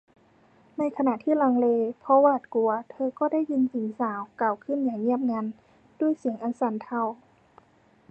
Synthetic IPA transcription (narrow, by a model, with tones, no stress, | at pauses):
na˧˥jkʰa˧na˧˨ʔt̪ʰiː˥˨la˧ŋleː˧pʰɔ˧waː˧˩˨t̪̚ku˧ɐt̪ʰɤː˧kɔː˧˩da˥˨jːi˧nsi˨˩˦ŋsaː˨˦wkaː˨˩wkʰɯ˧˥˨njaː˨˩ŋːi˧˥˩əp̚ŋa˧˥n | d̥u˧˥˩əjsi˨˩˦əŋʔa˧nsa˨˦nt̪ʰa˧˩w